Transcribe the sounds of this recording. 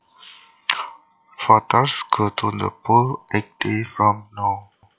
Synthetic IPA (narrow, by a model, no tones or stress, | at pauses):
fatəskʰotʰũndə̰polʔɛk̚defɹɔ̃mnɔ